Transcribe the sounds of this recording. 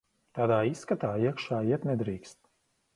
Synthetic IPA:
t̪aːd̪aːisːkat̪aːiɛkʃaːiɛt̪nɛd̪ɾiːkst̪̚

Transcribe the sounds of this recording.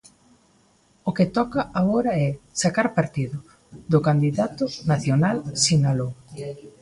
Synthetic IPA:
okɪt̪ɔkɐaɣoɾɐɛsakaɾpaɾt̪iðʊ | ðʊkand̪iðat̪ʊnaθjonalsinalo

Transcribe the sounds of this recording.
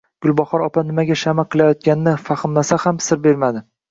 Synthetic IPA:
ɡ̥ʊlˠbɒχɒɾɒpʰanɪmaɡʲaʃamaqʰɨlˠajɒt̪̚kʲanɪnɪfaχɨmlasahamsɪɾbe̞ɾmad̪ɪ

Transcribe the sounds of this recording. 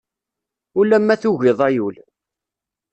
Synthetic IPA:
ulːæmːæθuʝɪðˤæjul

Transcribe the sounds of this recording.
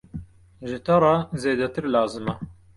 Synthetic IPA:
ʒɪt̪ɐɾˤɑzeːd̪ɛt̪ɨɾlaːzɨmɐ

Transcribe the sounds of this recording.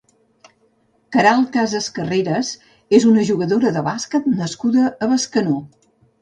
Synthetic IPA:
kəɾalˠkazəskəreɾəz | ezunəʒuɣəðoɾəðəβaskət̪nəskuðəːβəskəno

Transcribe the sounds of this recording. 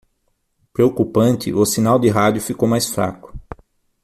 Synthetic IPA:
pɾeokupɐ̃nt̪ɪ̰ʔʊsinawd̪ɪɦad̪jʊfikowmajsfɾa̰kʊ̥

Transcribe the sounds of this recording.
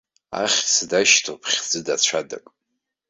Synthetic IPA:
a̰χʲt͡sʰdaʃtʰopʰχʲd͡zɨdat͡ɕʷʰada̰kʼ

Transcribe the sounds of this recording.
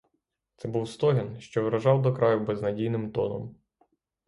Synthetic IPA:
t̪sɛbuwst̪ɔɦʲɪnʃt͡ʃɔʋɾɐʒɑwd̪ɔkɾɑjʊbɛznɐdʲijnɪmt̪ɔnɔ̰m

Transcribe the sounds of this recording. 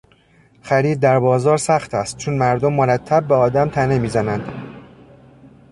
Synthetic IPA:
χæɾiːd̪̚ːæɾbɒːzɒːɾsæxt̪ʰæst̪̚t͡ʃʰonmæɾd̪omːoɾæt̪ʰːæb̚ːeɒːd̪æmt̪ʰænemiːzænænd̪̥

